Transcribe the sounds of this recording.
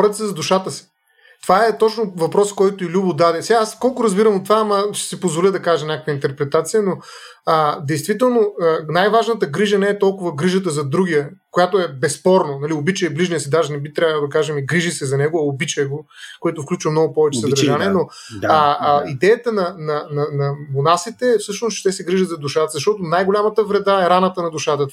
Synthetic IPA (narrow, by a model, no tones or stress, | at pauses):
ɔɾʲət̪sɛzɐd̪ʊʃat̪əsi̥ | t̪ovaɛt̪ɔt͡ʃnovɐpɾɔskɔjt̪oilʲubod̪ad̪ɛsɛɡaaskɔlˠkʊɾɐzbiɾɐmot̪vaːmɐʃsɛpozvolʲid̪ɐkaʒɛmnʲɲʲakəkvəint̪ɛɾpɾɛt̪at̪sijəno | əd̪ɛjst̪vit̪ɛlˠnoənajvaʒnət̪əɡɾiʒənɛːt̪ɔlˠkʊvɐɡɾiʒət̪əzɐd̪ɾuɡʲijəkojat̪oɛbɛspɔɾnonɐliobit͡ʃəjɛbliʒnijəsid̪aʒɛnɛbit̪ɾʲavəlˠd̪ɐkaʒɛmiɡɾiʒisɛzɐnɛɡʊɐobit͡ʃəjɛɡo | koɛt̪ʊfklʲut͡ʃvɐmnɔɡʊpɔvɛt͡ʃɛsɐd̪ɾʒaniɛno | id̪ɛjət̪ənɐnɐnɐnɐmonasit̪ɛːfsɤʃnost͡ʃɛ̥t̪ɛsɛɡɾiʒət̪zɐd̪uʃat̪əzɐʃt̪ɔt̪ʊnajɡolʲamət̪əvɾɛd̪aɛɾanət̪ənɐd̪ʊʃat̪ə